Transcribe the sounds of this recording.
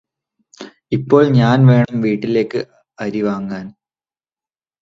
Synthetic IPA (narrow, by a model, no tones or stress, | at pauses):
ipːo̞ːɭɲaːnʋe̞ːɳɐmʋiːʈːile̞ːkːɨ | ɐɾiʋaːŋɡaːn